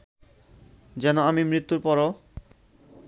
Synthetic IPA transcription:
d͡ʑɛnoamimɾit̪ːuɾpɔɾo

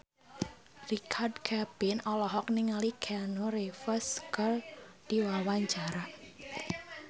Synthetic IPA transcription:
rikʰardkʰabɪnɔlɔɦɔk̚niŋalikʰanoɾefəskərd̥iwawaɲt͡ʃaɾa

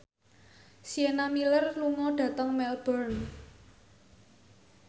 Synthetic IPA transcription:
sienamilərluŋɔɖ̥ä̤t̪əŋmɛlb̥ərn

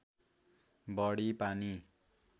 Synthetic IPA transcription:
bʌɽipani

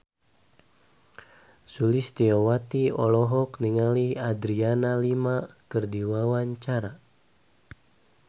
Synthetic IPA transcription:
sulist̪iɔwat̪iɔ̰lɔɦɔkniŋaliad̪ɾianalimakərdiwawaɲt͡ʃaɾa

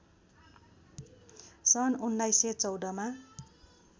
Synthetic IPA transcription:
sʌnunːajset͡sʌwd̪ʌma

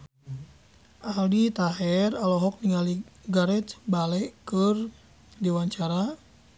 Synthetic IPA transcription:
ʔaldit̪aɦɛralɔɦɔk̚niŋaliɡaɾɛt͡ʃ̪balɛʔkər | diwaɲt͡ʃaɾa

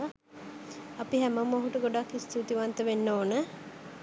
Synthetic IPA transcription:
apiɦæməmːoɦuʈəɡoɖakːist̪uːt̪iʋant̪əʋenːoːnə

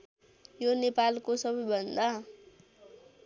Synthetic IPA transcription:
jonepalkosʌbʌjbʱʌnd̪a

